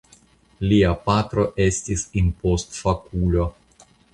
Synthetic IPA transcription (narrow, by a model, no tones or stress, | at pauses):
liapat̪ɾo̞ʔestʲisinpost̪fakulo